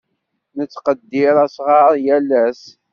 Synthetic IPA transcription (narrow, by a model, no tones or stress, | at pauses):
nət͡sːqəd̪ːɪɾˤæsʁɑɾˤjælæs